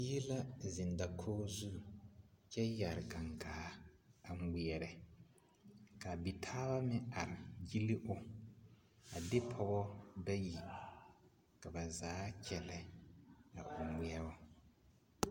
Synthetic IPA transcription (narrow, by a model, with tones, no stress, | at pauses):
ji˦la˦zɪ˨n˨da˨kʰoː˦zu˦˨t͡ʃɛ˦ja˨ɾɪ˨ɡa˨ŋɡaː˨˦a˨ŋ˦ɡ͡bi˨ɛ˨ɾɛ˨ | ka˨bi˨tʰaː˦ba˦mɪ˦a˨ɾɪ˨ji˦li˦ʔʊ˦ | a˨dɪ˦pʰɔ˦ɣɔ˦da˦ji˨ | ka˨ba˨zaː˨˦t͡ʃʰɛ˨lɛ˨ | a̰˨ʔʊ˨mi˦ɛ˦bɔ˦